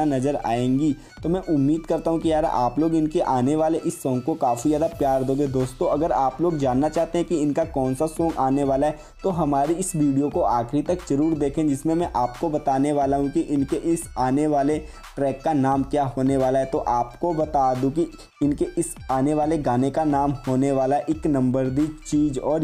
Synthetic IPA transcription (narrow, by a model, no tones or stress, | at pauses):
anɐzəɾa̰ːẽːŋɡi | t̪omɛ̃ʔʊmːiːd̪kɐɾt̪aɦũkijaːɾa̰ʔaːploːɡɪnkeʔaːneʋaːleʔɪsːɔ̃ːŋɡ̚kokaːfizaːd̪apjaːɾd̪oːɡed̪oːst̪õɐɡəɾaːploːɡd͡ʒaːnːat͡ʃaːɦt̪eɦɛ̃kiɪnkakɔːnsasɔ̃ːŋɡaːneʋaːlaɦɛ | t̪oɦɐmaːɾiɪsʋiːɖijokoaːkɾit̪ɐkd͡ʒɐɾuːɾd̪eːkʰẽd͡ʒɪsmẽmɛ̃ʔaːpkobɐt̪aːneʋaːlaɦũkiʔɪnkeʔɪsaːneʋaːle | ʈɾɛːkːanaːmkjaːɦoːneʋaːlaɦɛt̪oʔaːpkobɐt̪aːd̪ũk̬i | ɪnkeʔɪs | aːneʋaːleɡaːnekanaːmhoːneʋaːlaʔɪknɐ̃mbəɾd̪it͡ʃiːd͡ʒɔːɾ